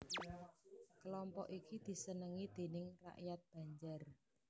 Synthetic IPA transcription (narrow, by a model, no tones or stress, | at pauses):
kəlɔmpɔ̰ʔikid̪̥i̤sənəŋid̪̥e̤nɪŋra̰ʔjat̪̚b̥ä̤ɲd͡ʒar